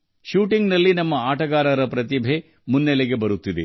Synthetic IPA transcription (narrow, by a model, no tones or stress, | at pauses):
ʃuːʈiŋɡnɐlːinɐmːɐaːʈɐɡaːɾɐɾɐpɾɐt̪̬ibʱe | munːɛleɡe̞bɐɾut̪ːid̪e